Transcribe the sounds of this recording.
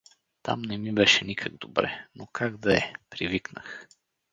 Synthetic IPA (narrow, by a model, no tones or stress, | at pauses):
t̪a̰mnɛmibɛʃɛnikʰəɡ̚d̪obɾɛ̰nokʰaɡd̪ɐɛpɾiviknə̰x